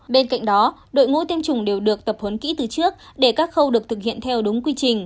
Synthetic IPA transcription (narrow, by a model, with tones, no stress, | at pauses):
ɓe˧nka̰˧˨jŋ̟ɗɔ˨˦ɗo̰˧˨jŋṵ˧˥t̪i˧mt͡ɕʊ˨˧˩ŋ͡mɗe˨˩wɗɨ˨˩ək̚t̪ə˨˩p̚hə˨˦nkḭ˧˥t̪ɨ˨˩t͡ɕɨ˦˥ək̚ɗe˧˩kaː˦˥k̚xə˧wɗɨ˨˩ək̚t̪ʰɨ˨˩k̚hḭ˧˨ənt̪ʰɛ˧wɗʊ˨˦ŋ͡mkwi˧t͡ɕï˨˩ŋ̟